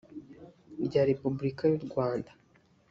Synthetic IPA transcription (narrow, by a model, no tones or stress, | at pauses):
ɾɟaːɾe̞pubuɾikajuɾɡwaːndḁ